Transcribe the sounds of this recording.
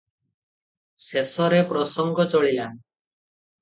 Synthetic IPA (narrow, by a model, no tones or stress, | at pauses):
sesɔɾepɾɔsɔŋɡɔt͡ʃɔɭijan